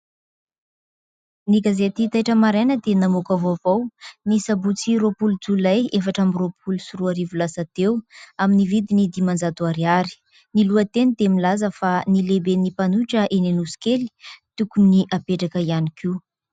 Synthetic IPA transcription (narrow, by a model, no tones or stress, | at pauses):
niɡazet̪it̪ajʈ͡ʂəmaɾajnəd̪enamukavovawnisabut͡siɾopulud͡zulajefaʈ͡ʂamiropʰulusuɾuaɾivulasat̪ewaminivid̪inid̪imand͡zat̪uaɾiaɾi̥ | niluət̪enid̪emilazəfanilebenipanuʈ͡ʂəʔenenusi̥keli̥t̪ukuniʔapeʈ͡ʂakəianikʰiu